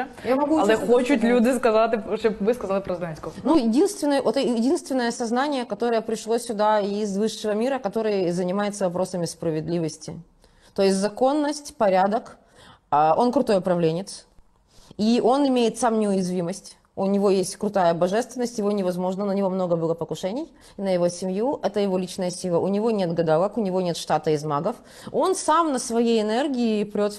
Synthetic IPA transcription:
jamɐɡulˠɛxot͡ɕʊt̪lʲud̪ɨskɐzat̪ʲʂopvɨskɐzalˠɨpɾɐzɡ̪anʲsʲkonujɪdʲinst̪vʲɪnːəjʔot̪jɪdʲinst̪vʲɪnːəjəsɐznanʲɪjəkɐt̪o̞ɾəjəpɾʲɪʂlˠosʲʊd̪aizvɨʂːɨvəmʲiɾəkɐt̪o̞ɾɨjzənʲɪmajɪt̪səvɐpɾo̞səmʲɪspɾəvʲɪd̪lʲivəsʲtʲɪ̰ | t̪o̞jɪsʲtʲzɐko̞nːəsʲtʲpɐɾʲad̪ək | əʔo̞nkɾʊt̪ojʊpɾɐvlʲenʲɪt̪s | iʔo̞nɪmʲejɪt̪samnʲɪʊjɪzvʲiməsʲtʲ | ʊnʲɪvo̞jesʲtʲkɾʊt̪ajəbɐʐɛst̪vʲɪnːəsʲtʲjɪvo̞nʲɪvɐzmo̞ʐnənənʲɪvo̞mno̞ɡəbɨlˠəpəkʊʂɛnʲɪj | ɪnəjɪvosʲɪmjuʔɛt̪əjɪvo̞lʲit͡ɕnəjəsʲilˠəʔʊnʲɪvonʲe̞t̪ɡəd̪alˠəkʊnʲɪvo̞nʲe̞t̪ʂt̪at̪əɪzmaɡəf | o̞nsamnəsvɐjejɪnɛrɡʲɪɪpɾʲo̞t̪

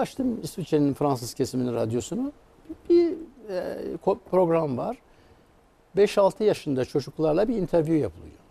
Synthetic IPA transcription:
aʃt̪ʰɯmisvit͡ʃʰeninfɾans̬ɯz̥cʰesiminiɾad̪jo̞sunu | biɛkʰopʰɾo̞ɡɾamvaɾ̥ | bɛʃalˠt̪ʰɯjaʃɯnd̪at͡ʃʰo̞d͡ʒuklˠaɾlˠabiint̪ʰæɾvjujapʰɯlˠɯjo̞̰

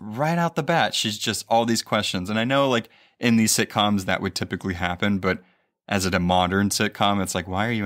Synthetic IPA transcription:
ɹaɪɾaʊt̪̚ðəbætʃizd͡ʒʌstɔlˠðiz̥kʰw̥ɛst͡ʃɨ̃nzə̃naɪnoʊlaɪk | ʔɨ̃nðiz̥sɪt̚kʰɑ̃mzðɨ̰ʔwʔɨd̚tʰɪpɨkliɦæpɨ̃nbʌɾ | ʔɨzɨɾɨmɑɾə̃˞nsɪt̚kʰɑ̃mɨtslaɪkwaɪə˞jɨ

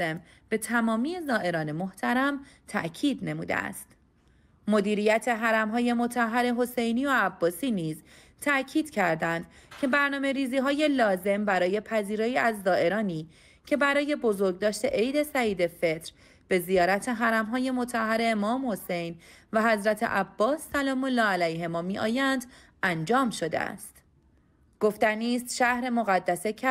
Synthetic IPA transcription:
em | b̥e̞t̪ʰæmɒːmiːe̞zɒːʔe̞ɾɒːne̞mo̞ht̪ʰæɾæmt̪ʰæ̰ʔcʰiːd̪ne̞mṵːd̪ḛæ̰st̪ | mo̞d̪iːɾijæt̪ʰe̞ɦæɾæmɦɒːje̞mo̞t̪ʰæɦːæɾe̞ɦo̞se̞jniːoæbːɒːsiːniːz | t̪ʰæʔcʰiːd̪̥cʰæɾd̪ænd̪ | cʰe̞bæɾnɒːme̞ɾiːziːɦɒːje̞lɒːze̞mbæɾɒːje̞pʰæziːɾɒːjiːæzːɒːʔe̞ɾɒːniː | cʰe̞bæɾɒːje̞bo̞zo̞ɾɡ̚d̪ɒːʃt̪e̞ʔejd̪e̞sæiːd̪e̞fe̞t̪ɾ | b̥e̞zijɒːɾæt̪ʰe̞ɦæɾæmɦɒːje̞mo̞t̪ʰæhːæɾe̞ːmɒːmho̞se̞jnvæɦæzɾæt̪ʰḛʔæbːɒːsːælɒːmolːɒːælæjɦe̞mɒːmiːʔɒ̰ːjænd̪ | ʔænd͡ʒɒːmʃo̞d̪ḛæ̰st̪ | ɡ̥o̞ft̪æniːst̪ʃæhɾe̞mo̞ɣæd̪ːæse̞æ

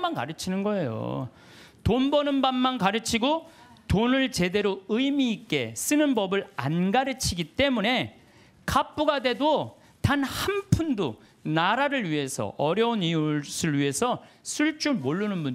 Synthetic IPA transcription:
manka̰ɾɯt͡ɕʰinɯnɡʌe̞jo̰ | tonbʌnɯnbanːankaɾɯt͡ɕʰiɡo | tonɯɭt͡ɕe̞de̞ɾoɯimiːk͈e̞̰s͈ɯnɯnbʌbɯɭa̰nɡaɾɯt͡ɕʰiɡit͈e̞mune̞ | kap͈uɡadwe̞do | tanhanpʰundo | naɾaɾɯɭɥiɦe̞sʰʌ̰ʔʌɾjʌuniusʰɯɭɥiɦe̞sʰʌ | sʰuɭt͡ɕ͈umoɭːunɯnbun

